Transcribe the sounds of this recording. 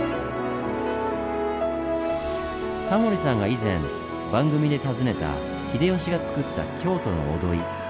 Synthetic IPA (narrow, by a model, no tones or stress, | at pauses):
t̪amo̞ɾʲisãŋɡaizẽ̞m | bãŋɡɯ̟mʲid̪e̞t̪azɨne̞t̪a̰ | çʲid̪e̞õɕiɡat͡sɨ̥kɯ̟t̪ːa̰kʲʰo̞ːt̪o̞no̞̰od̪o̞i